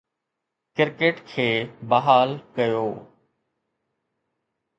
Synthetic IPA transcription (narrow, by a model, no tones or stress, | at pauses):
kɪɾkeːʈkʰeːbəɦaːlkəjoː